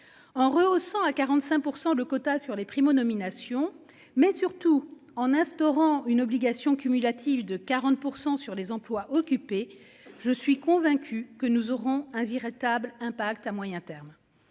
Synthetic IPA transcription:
ɑ̃ʁəosɑ̃akaʁɑ̃t̪sɛ̃puʁsɑ̃ləkɔt̪asyʁlepχimɔnɔminasjɔ̃ | mɛsyʁt̪u | ɑ̃nɛ̃st̪ɔʁɑ̃ynɔbliɡasjɔ̃kʲymylat̪ʰivd̪əkaʁɑ̃t̪̚puʁsɑ̃syʁlezɑ̃plwaʔɔkʲype | ʒəsɥikɔ̃vɛ̃kʲʰykənuzɔʁɔ̃ɛ̃viʁit̪ablɛ̃pakt̪amwajɛ̃t̪ɛʁm

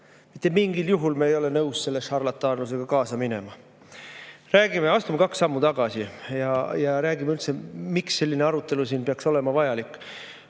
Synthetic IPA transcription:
mi̥t̪ːˑe̞miŋɡiljuɦulmeːjo̞le̞nɤwsse̞lːeʃɑrlɑt̪ːˑɑːnlus̬e̞ɡ̥ɑkɑːsɑmine̞̰mɑ | ræːɡ̥imeɑst̪umekɑksːɑmːut̪ɑɡ̥ɑsijɑjɑɾæːɡ̥imeylt̪se̞miksːe̞lʲːineɑɾut̪ːˑe̞lusiːnpeɑkso̞le̞mɑvɑjɑlikːˑ

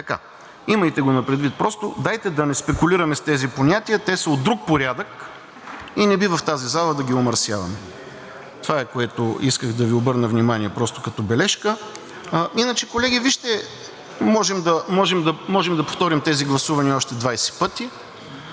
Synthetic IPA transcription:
t̪ɐka̰ | iməjt̪ɛɡonɐpɾɛd̪vit̪̚pɾɔst̪od̪ajt̪ɛd̪ɐnɛspɛkʊliɾɐmɛst̪ɛziponʲat̪iɐt̪ɛsɐod̪ɾuk̚poɾʲad̪ək | inɛbivəft̪azizalˠɐd̪ɐɡʲiomɐɾsjavɐmɛ | t̪ovaɛkoɛt̪oiskəɣd̪ɐviobɤɾnəvnimaniɛpɾɔst̪o̥kɐt̪ɔbɛlɛʃkə | inət͡ʃɛkolɛɡʲiviʃt̪ɛ | mɔʒɛmd̪ɐmɔʒɛmd̪ɐmɔʒɛmd̪ɐpoft̪ɔɾimt̪ɛziɡlˠɐsuvɐniɔʃt̪ɛd̪vajsɛ̥pɤt̪i

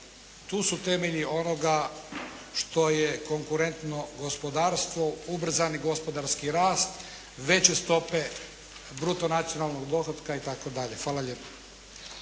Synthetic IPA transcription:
t̪uːsut̪e̞meʎio̞no̞ɡa | ʃt̪o̞jeko̞ŋkuɾe̞nt̪no̞ɡo̞spod̪aːɾst̪ʋo̞ubr̩zaniɡo̞spo̞d̪aɾskiɾaːst̪ | ʋe̞t͡ɕest̪o̞pe̞ | bɾut̪onat̪sijonalˠno̞ɡd̪o̞xod̪kait̪akod̪aʎe̞xʋaːlaʎepḁ

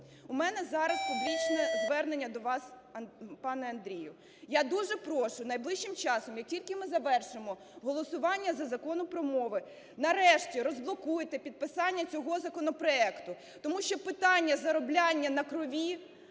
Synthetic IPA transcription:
umɛnɛzɑɾɐspublʲit͡ʃnɛzʋɛrnenʲːɐd̪ɔʋɑs | pɑnɛɐnd̪ɾʲijʊ | jad̪uʒɛpɾɔʃʊnɐjblˠɪʃt͡ʃːɪmt͡ʃɑsɔmjɐk̚tʲilʲkɪmɪzɐʋɛrʃɪmɔ | ɦɔlˠɔsʊʋɑnʲːɐzɐzɐkɔnʊpɾɔmɔʋɪ | nɐɾɛʃtʲiɾɔzblˠɔkujɪt̪ɛpʲid̪̚pɪsɑnʲːɐt͡sʲɔɦɔzɐkɔnɔpɾɔɛkt̪ʊ | t̪ɔmuʃt͡ʃɔpɪt̪ɑnʲːɐzɐɾɔblʲɑnʲːɐnɐkɾɔʋʲi

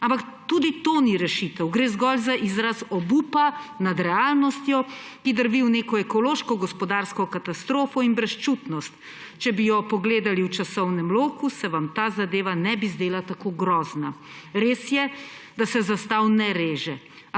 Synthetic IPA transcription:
ampak | t̪ud̪it̪oniɾɛʃit̪ɛwɡɾeːzɡɔlzaʔizɾasɔbuːpanad̪ɾɛaːlnɔst̪jɔkid̪əɾbiwneːkɔɛkɔloːʃkɔɡɔspɔd̪aɾskɔkat̪ast̪ɾoːfɔinbɾɛst͡ʃut̪nɔst̪ | t͡ʃɛbijɔpɔɡleːd̪aliwt͡ʃasɔwnɛmloːkusɛʋamt̪aːzad̪eːʋanɛbizd̪eːlat̪akoɡɾɔːzna | ɾeːsjɛd̪asɛzast̪awnɛɾeːʒɛ

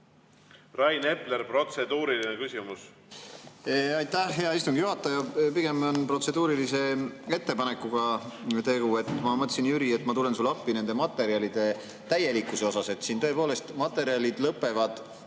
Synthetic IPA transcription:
rɑjne̞pleɾpro̞t̪sed̪̥uːɾilinekysʲimus | ɑjt̪ːˑæhɦe̞ɑist̪uŋɡ̥juɦɑt̪ːˑɑjɑpiɡ̥e̞monpro̞t̪se̞d̪̥uːɾilise̞e̞t̪ːe̞pɑne̞kːuɡ̥ɑt̪e̞ɡ̥ue̞t̪ːˑmɑmɤt̪ːˑsinjyɾie̞t̪ːˑmɑt̪ule̞nsulːɑpːine̞nd̪̥e̞mɑt̪ːˑe̞ɾiɑlid̪̥e̞ | t̪æje̞likːˑuseo̞sɑse̞t̪siːnt̪ɤ̞e̞po̞ːle̞st̪mɑt̪ːˑe̞ɾiɑlid̪̥lɤpːˑe̞vɑd̪̥

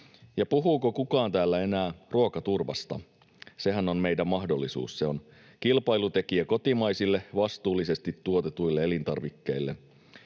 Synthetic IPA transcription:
jɑpuɦuːkokukɑːnt̪æːlːæe̞næːruokɑt̪urʋɑ̰st̪ɑ̰ | se̞ɦæno̞nme̞jdæmmɑhdo̞lːisṵːsse̞on | kilpɑjlut̪e̞kiæko̞t̪imɑjsilːeʋɑst̪uːlːise̞st̪it̪ːuot̪et̪ujlːeelint̪ɑrʋikːe̞ilːe̞

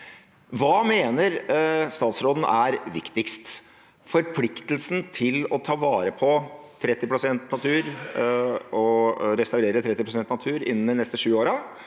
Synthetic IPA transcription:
ʋɑːmeːnəɾst̪ɑːt̪sɾoːd̪n̩æɾʋɪ̰kt̪ɪkst̪ | fɔɾpʰlɪkt̪l̩sn̩t̪ʰɪlɔt̪ʰɑːʋɑːɾəpʰɔ | t̪ʰɾɛt̪ːɪpʰɾʊsɛnt̪nɑt̪ʰʉːɾ | ɔɾɛst̪ɑʉɾeːɾət̪ʰɾɛt̪ːɪpʰɾʊsɛnt̪nɑt̪ʰʉːɾɪ̰nːənd̪ɛnɛst̪əʂʉːoːɾɑ

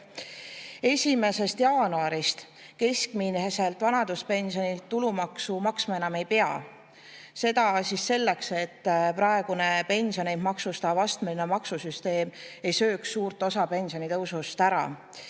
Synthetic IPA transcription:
e̞sʲime̞se̞st̪jɑːnuɑɾist̪ | ke̞skminhese̞lt̪ːˑvɑnɑd̪̥uspe̞nsio̞nilt̪ːulumɑksumɑksmɑe̞nɑme̞jpeɑ̰ | se̞d̪ɑsisːe̞lːe̞kse̞t̪ːpɾɑe̞ɡ̥une̞pe̞nʲsio̞nemmɑksust̪ɑvɑst̪melinemɑksusyst̪e̞ːme̞jsø̞ːksːuːɾt̪ˑːosɑpe̞nsio̞nit̪ɤwsust̪æɾɑ̰

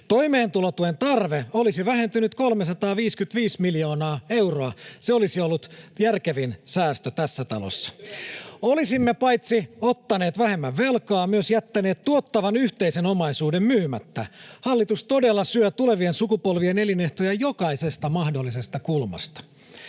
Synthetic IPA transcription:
t̪o̞ime̞ːnt̪ulot̪uent̪ɑrʋeolisiʋæɦe̞nt̪ynyt̪kolmesɑt̪ɑːʋiːskyt̪ʋiːsmiljo̞ːnɑːe̞wroɑseolisiolːut̪jærkeʋinsæːst̪øt̪æsːæt̪ɑ̰lo̰sːɑ̥ | olisimːepɑjt̪siot̪ːɑne̞ːt̪ʋæhe̞mːæʋʋe̞lkɑːmyøsjæt̪ːæne̞ːt̪t̪uot̪ːɑʋɑnyht̪e̞iseno̞mɑisuːdemmyːmæt̪ːæhɑlːit̪ust̪o̞delːɑsyøt̪ule̞ʋie̞nsukupolʋieneline̞ht̪ojæjo̞kɑisest̪ɑmɑhdolːise̞st̪ɑkulmɑ̰st̪ɑ̥

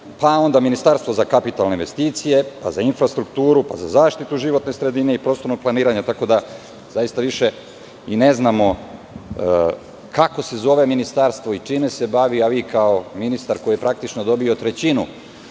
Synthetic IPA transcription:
pao̞nd̪aminist̪aːɾst̪vʋo̞zakapit̪alneinʋest̪iːt̪sije̞pa̰zainfɾast̪ɾuk̚t̪uːɾupa̰za̰zaːʃt̪it̪uʒiʋot̪ne̞sɾe̞d̪ine̞ipɾost̪o̞ɾnoɡ̚plˠaniːɾaɲat̪ako̞d̪a | z̥ajist̪aʋiʃe | ine̞znaːmo̞ | kako̞se̞zo̞ʋe̞minist̪aɾst̪ʋoit͡ʂiːmese̞baʋiaʋikaominist̪aɾkoijepɾak̚t̪it͡ʃnod̪o̞bio̞t̪ɾe̞t͡ɕinu

